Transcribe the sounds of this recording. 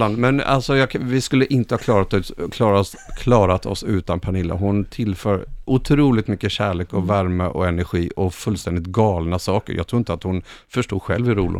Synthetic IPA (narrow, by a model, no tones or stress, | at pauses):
land̪mɛna̰lsɔjɑːvɪskɵlːəʔɪnt̪əhɑkʰlɑːɾat̪ːkʰlɑːɾas | kʰlɑːɾat̪ʰɔ̰sʉ̟ːt̪anpʰanɪlːa̰ɦʊnt̪ʰɪlfœːɾʔʊt̪ʰɾuːlɪt̪mʏkːəɕæːɭeːkɔvæɾməʔɔɛnæɾɧiːʔɔfɵlst̪ɛnd̪ɪt̪̚ɡɑːlnasɑːkə̰ɾjɑ̰ɡt̪ʰɾuːɪnt̪at̪hʊnfœʂʈuːd̪ɧɛ̰lvɪɾuːlʔɪ̰